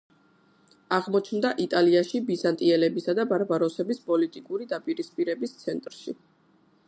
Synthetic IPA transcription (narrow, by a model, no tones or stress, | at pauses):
aʁmɔt͡ʃʰnd̪aʔit̪ʼaliaʃibizant̪ʼiɛlɛbisad̪abaɾbaɾɔsɛbispʼɔlit̪ʼikʼuɾid̪apʼiɾispʼiɾɛbist̪sʰɛnt̪ʼɾʃi